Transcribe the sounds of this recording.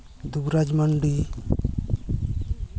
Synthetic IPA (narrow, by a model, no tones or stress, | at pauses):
d̪uɡɾad͡ʒmaɳɖi